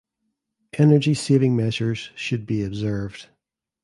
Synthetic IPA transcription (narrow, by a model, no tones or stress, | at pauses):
ʔɛnə˞d͡ʒisevɪ̃ŋmɛʒə˞z̥ʃɨd̚biɨbzɜ˞vd̥